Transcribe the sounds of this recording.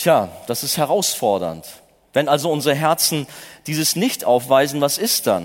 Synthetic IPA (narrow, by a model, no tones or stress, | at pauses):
tʰjaːd̥asɪsthɛʁaʊsfɔɐdɐ̰nt | vɛnalzoʊnzəʁəɦɛɐt͡sn̩d̥iːzəsnɪçtʔaʊfv̥aɪzn̩vasɪst̚d̥a̰n